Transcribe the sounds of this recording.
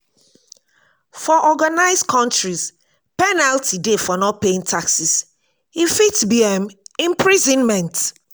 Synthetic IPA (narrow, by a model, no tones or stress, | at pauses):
fɔʔɔɡanaɪzkʰɔ̃ntɹiz̥ | pɛnaltidefɔnɔt̚peĩŋtʰaksis | ifitsbiɛmĩmpʰɹizɔ̃nmɛ̃nt